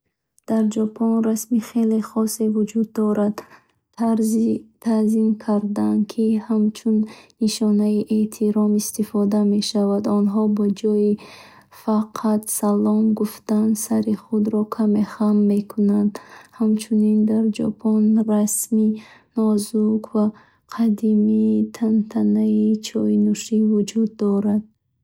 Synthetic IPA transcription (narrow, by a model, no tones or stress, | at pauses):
d̪̥aɾd͡ʒɔpʰɔnɾasmiχe̞leχɔsevud͡ʒud̪ːɔɾad̪ | at̪ʰazimkʰaɾd̪ankʰihamt͡ʃʰunːiʃɔnaiʔet̪ʰiɾɔmist̪ifɔd̪ame̞ʃavad̪ɔnɦɔbɔd͡ʒɔi | faqʰat̪salɔmɡuft̪ansaɾiχud̪ɾɔkʰame̞χamːe̞kʰunand̪hamt͡ʃʰunind̪aɾd͡ʒɔ̰pʰɔnɾasminɔzukva | qʰad̪imit̪ʰant̪ʰanait͡ʃʰɔinuʃivud͡ʒud̪ːɔɾad̪̚